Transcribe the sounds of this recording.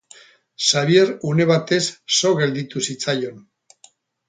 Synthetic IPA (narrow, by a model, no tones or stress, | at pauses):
saβie̞ɾune̞βat̪e̞sːo̞ɣe̞ld̪it̪usit͡sajo̞n